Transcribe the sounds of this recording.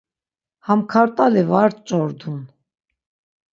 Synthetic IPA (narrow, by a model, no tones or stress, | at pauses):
hamkʰaɾt̪ʼalɛvaɾt͡ʃʼɔɾd̪un